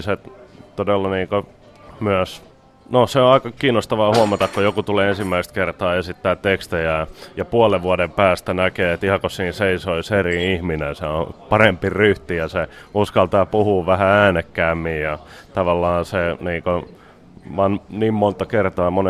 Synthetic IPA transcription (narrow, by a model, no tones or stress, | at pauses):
sett̪odelːɑniːŋko | myæs | noseõɑikɑkiːnːˑost̪ɑʋɑːhuɑmɑt̪ɑkkojokut̪uleːensimːæist̪̚kert̪ɑːesit̪ːæːt̪tekst̪ejæjɑpuɑleʋʋuɑdempæːst̪ænækeːet̪ihɑkossiːnseisoiseriihminenseõ̰pɑrempiryht̪ijɑseuskɑlt̪ɑːpuhuːʋæhææːnekːæːmːijjɑ | t̪ɑʋɑlːɑːseniːŋko | ʋɑnniːmmont̪ɑkert̪ɑːmone